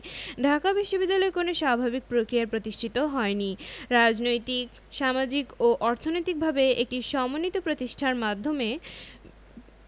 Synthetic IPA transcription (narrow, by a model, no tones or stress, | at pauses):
ɖʱakabiʃːobid̪ːalɔekonoʃabʱabik̚pɾokɾiaɾpɾot̪iʃʈʰit̪oɦɔeniɾad͡ʑnojt̪ik | ʃamad͡ʑikoʔɔɾt̪ʰonojt̪ik̚bʱabeek̚ʈiʃɔmonit̪opɾot̪iʃʈʰaɾmad̪ʱːome